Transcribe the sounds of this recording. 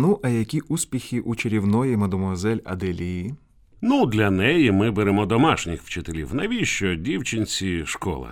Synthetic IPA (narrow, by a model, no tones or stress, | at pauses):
nuʔɐjɐkʲiʔusʲpʲixʲiʔut͡ʃeɾʲiwnɔjimɐd̪ɔmɔzɛlʲɐ̰d̪ɛlʲiji | nud̪lʲɐnɛjimɪbeɾemɔd̪ɔmɑʃnʲɪxwt͡ʃɪt̪elʲḭwnɐʋʲiʃt͡ʃɔdʲiwt͡ʃɪnʲt͡sʲiʃkɔ̰lˠɐ̰